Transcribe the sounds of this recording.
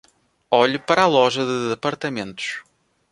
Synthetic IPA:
ɔʎpɐɾalˠɔʒɐðɨðɨpɐɾt̪ɐmẽnt̪ʊ̥ʃ

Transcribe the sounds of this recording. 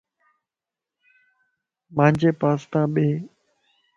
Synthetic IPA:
mãːɲd͡ʑeːpaːst̪ãːɓeː

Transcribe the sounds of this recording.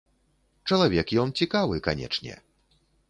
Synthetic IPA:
t͡ʂɐlˠavʲɛkjɔnt͡sʲikavɨkanʲɛ̰t͡ʂnʲɛ̰

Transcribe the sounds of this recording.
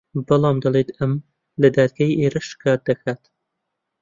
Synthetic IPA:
bɐlˠɑːmd̪ɐlˠet̪ʰɐm | lɐd̪æːd̪̚ɡæːjʔeːɾɐʃkʰæːt̪̚d̪ɐkʰæːt̪

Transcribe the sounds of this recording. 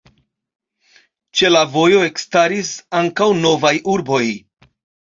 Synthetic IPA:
t͡ʃe̞lavo̞jo̞e̞kstaɾisaŋkawno̞vajʔuɾbo̞j

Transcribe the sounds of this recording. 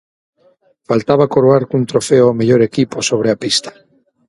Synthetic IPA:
falt̪aβakoɾoaɾkunt̪ɾofeoomeʎoɾekiposoβ̞ɾeapist̪ḁ

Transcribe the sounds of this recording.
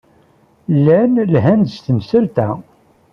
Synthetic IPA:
lːænlɦænst̪əmsəlt̪æ

